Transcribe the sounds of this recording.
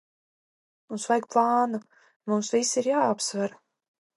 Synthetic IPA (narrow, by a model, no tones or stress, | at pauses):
munsvajk̚plˠɑːnu | mumsvisiɾjaːapsvaɾ